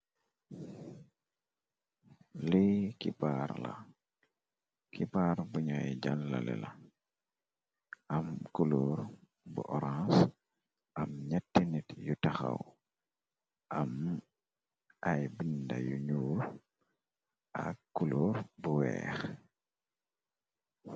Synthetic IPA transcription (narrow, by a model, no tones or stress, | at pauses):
likibaɾlɐ | kʰibaɾbuɲajɟalːalɛ̰la | ʔɐmkuluɾ | bṵʔɔɾãs | ʔɐmɲatːinitjutɐxɐ̰w | ʔɐm | ajbindɐjuɲuːɾ | ʔakːuluɾbuwɛ̰ːx